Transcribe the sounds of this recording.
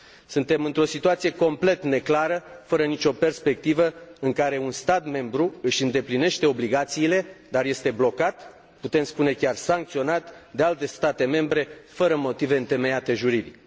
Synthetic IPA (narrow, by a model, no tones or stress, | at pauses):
sɨnt̪e̞mɨnt̪ɾo̞sit̪uat̪sije̞ko̞mple̞t̪ne̞klaɾəfəɾənit͡ʃo̞pe̞rspe̞k̚t̪ivəɨŋkaɾe̞unst̪at̪me̞mbɾuɨʃʲɨnd̪e̞pline̞ʃt̪e̞o̞bliɡat̪siːle̞d̪arje̞st̪e̞blo̞kat̪ | put̪e̞mspune̞kʲarsaŋkt̪sio̞nat̪d̪ealt̪e̞st̪at̪e̞me̞mbɾe̞fəɾəmo̞t̪ive̞ɨnt̪e̞me̞jat̪e̞ʒuɾid̪ik